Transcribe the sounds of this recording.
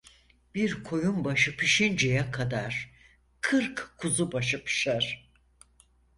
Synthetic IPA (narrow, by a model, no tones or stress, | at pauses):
b̥iɾkʰo̞jumbaʃɯpʰiʃind͡ʒejakʰad̪aɾ̥ | kʰɯɾkkʰuzubaʃɯpʰɯ̥ʃaɾ̥